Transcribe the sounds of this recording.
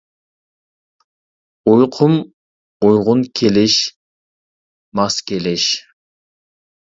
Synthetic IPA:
ujqʰʊm | ujʁʊnkʲʰelɪʃ | mɑskʲelɪʃ

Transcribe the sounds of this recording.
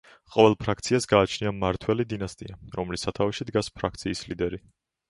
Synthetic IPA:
qʼɔvɛlˠpʰɾakʰt̪sʰiasɡaːt͡ʃʰniamaɾt̪ʰwɛlid̪inast̪ʼḭaɾɔmlisat̪ʰavɛʃid̪ɡaspʰɾakʰt̪sʰiːslid̪ɛɾi

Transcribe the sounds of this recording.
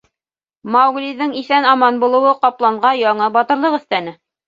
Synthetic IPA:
mɑwɡliðɤŋiθænɑmɑnbulˠɤ̆wɤqɑplˠɑɴʁɑjɑɴɤbɑt̪ɤ̆ɾlˠɤʁɵ̆θt̪ænɘ

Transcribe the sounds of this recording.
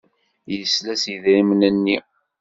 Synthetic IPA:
jəslæsiðɾimnənːi

